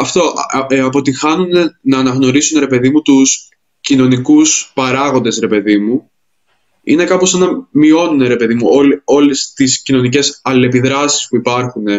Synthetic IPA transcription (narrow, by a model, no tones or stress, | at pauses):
ɐft̪o̞ʔɐpo̞t̪ixɐnune̞nɐːnɐɣno̞ɾisunɾe̞pe̞ðimut̪us | cino̞nikuspɐɾɐɣo̞nd̪e̞sɾe̞pe̞ðimu | ḭne̞kɐpo̞senɐmio̞nune̞ɾe̞pe̞ðimuolo̞lest̪iscino̞nice̞sɐle̞piðɾɐsi̥spuipɐɾxune̞